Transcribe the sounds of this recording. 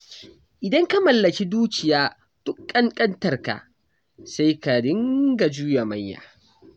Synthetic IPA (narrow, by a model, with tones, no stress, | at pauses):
ʔɪ˨dɐ˦ŋka˦mɐ˨lːɐ˨kʲi˦duː˦kʲɪ˨jaː˦ | d̥ʊ˦kʼːɐ˦nkʼɐ˦ntɐ˨rka̰˨ | sa˦jka˨dɪ˦ŋɡa˨d͡ʒuː˦ja˨mɐ˦jːa̰ː˨